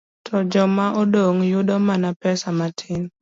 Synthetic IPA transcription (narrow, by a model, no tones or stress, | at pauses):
tʰɔd͡ʒɔmaʔɔdoŋjʊdɔmanapɛsamatʰɪn